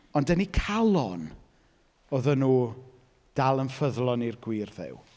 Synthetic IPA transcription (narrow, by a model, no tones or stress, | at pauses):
ɔndənikʰalˠɔn | oðənuː | d̥alˠənfəðlˠɔnirɡwiːrðɪ̰w